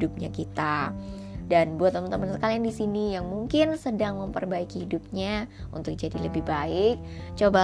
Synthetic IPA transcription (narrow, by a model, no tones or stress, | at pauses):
dʊp̚ɲa̰kit̪a | danbuat̪ːəmənt̪əmənsəkaliandisinijaŋmuŋkɪnsədaŋməmpərbaikihidup̚ɲa | ṵnt̪ʊk̚d͡ʒadiləbɪhbaɪk̚t͡ʃoba